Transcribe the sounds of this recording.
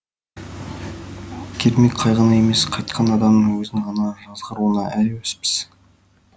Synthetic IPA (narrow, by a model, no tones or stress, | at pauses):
kʲʰeɾmikqʰɑjʁənɑjemesqʰɑjt̪̚qʰɑnɑd̪ɑmd̪əwɵzɪŋʁɑnɑʒɑzʁəɾuənɑʔælwespɪ̥z̥